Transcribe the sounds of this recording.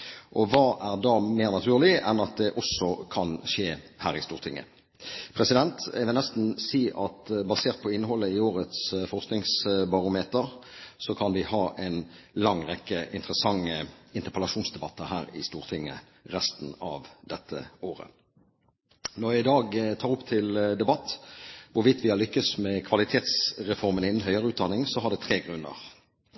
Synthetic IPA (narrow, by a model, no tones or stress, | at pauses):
ʔɔʋɑːʔæʁd̪ɑːmeːʁnɑt̪ʰʉːʁlɪɛnɑt̪̚d̪ɛʔɔsɔkʰɑnʃeːhæːɾɪst̪uːʁt̪ʰɪŋːə̰ | pʰʁɛsɪd̪ɛnt̪ɛʋɪlnɛst̪n̩siːʔɑt̪bɑseːʁt̪̚pʰɔɪnːəhɔlːəɪoːʁət̪sfɔʁsknɪŋsbɑʁʊmeːt̪əʁsɔkʰɑnʋɪhɑːʔɛɪn | lɑŋʁɛkːəʔɪ̰nt̪əʁəsɑŋːəɪnt̪əʁpʰəlɑʃuːnsd̪ɛbɑt̪ːəhæːʁɪ̰st̪uːʁt̪ʰɪŋːə̰ | ʁɛst̪nɑ̰ʋd̪ɛt̪ːə̰oːʁə̰ | nɔjæɪd̪ɑːɡt̪ʰɑːɾʁʊpt̪ʰɪld̪ɛbɑt̪ːʋʊɾʋɪt̪ʋɪhɑlʏkːəsmɛkʰʋɑlɪt̪ʰeːt̪sʁɛfɔʁmənɪnən̩ɦœʏəʁəʉːt̪̚d̪ɑnɪŋsɔɦɑɖ̪ɛt̪ʰʁeːɡʁʉnːə̰ʁ